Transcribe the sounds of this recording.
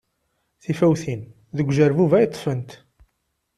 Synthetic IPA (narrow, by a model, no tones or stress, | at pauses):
θifæwθin | ðəɡʷʒəɾvuvæjət̪ˤːfənt̪